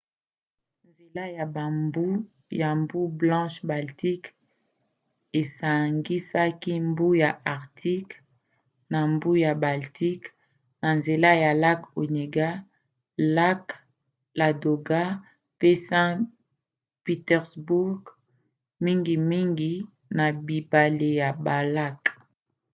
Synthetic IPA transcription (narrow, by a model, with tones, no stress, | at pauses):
nze˨la˦ja˨ba˨mbu˦ | ja˨mbu˦blɑ̃˦ʃba˨lti˦k | e˨sa˨ŋɡi˦sa˦ki˦mbu˦ja˨ʔa˨ʁtʰi˦k | na˨mbu˦ja˨ba˨ltʰi˦k | na˨nze˨la˦ja˨la˦ko˨ɲe˨ɡa˦ | la˦k | la˨do˨ɡa˦ | pe˦sɛ̃˦ | pi˨tɛ˨ʁsbu˦ɡ | mi˦ŋɡi˨mi˦ŋɡi˨ | na˨bi˨ba˨le˨ja˨ba˨la˦k